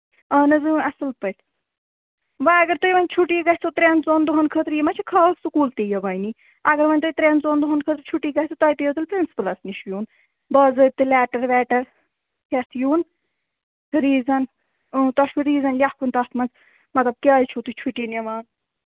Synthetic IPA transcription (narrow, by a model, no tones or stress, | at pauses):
ɐːnɐzɨjũɐsɨlpɐt̪ʲ | ʋɐɐɡɐɾt̪ujʋɐnʲt͡ʃʰuʈiːɡɐsʲt̪ot̪ɾʲeːnzoːnd̪uɦɐnkʰəːt̪ɾjimɐt͡ʃʰikʰaːsukuːlt̪ijɐʋɐːjni | ɐɡɐɾʋɐnʲt̪ojt̪ɾenzoːnd̪uɦɐnkʰəːt̪ɾt͡ʃʰuʈiːɡɐhʲt̪ot̪ɐjt̪ɨjət̪ʰɨlpɾinsi̥pɨlɐsniʃjuːn | bɐːzəːt̪ɨlɛːʈɐɾʋɛːʈɐɾ | hʲet̪ʰjuːn | ɾiːzɐn | əːt̪ɐʃʋuɾiːzɐnlʲahkʰunt̪ɐst̪ʰmɐnz | mɐt̪lɐb̚kʲaːjt͡ʃʰot̪ut͡ʃʰuʈineʋaːn